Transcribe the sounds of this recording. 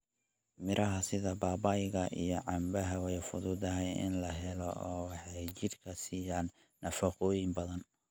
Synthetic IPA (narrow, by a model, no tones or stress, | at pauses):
mɪɾʔɐɦɐsɪðɐbaːbɐjɣɐʔḭjɔʕɑmbɐɦɐwɛjfʊðʊd̪ɐɦɛjɪ̰nlɐɦɛlɔ̰ɔːwɑħɑjt͡ʃɪd̪kʰɐsiːjaːnː | ɐfɐqɔːjɪmbɐðɐn